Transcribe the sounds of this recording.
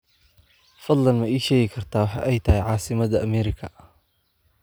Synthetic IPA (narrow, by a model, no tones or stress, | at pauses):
fɐd̪lɐnmɐiːʃɛːɣɪkʰɐrt̪ʰaːwħɑ̰ːʔɛjt̪ʰɐɦɛjʕɑːsɪmɐðɐʔɐmɛːɾɪkʰɐ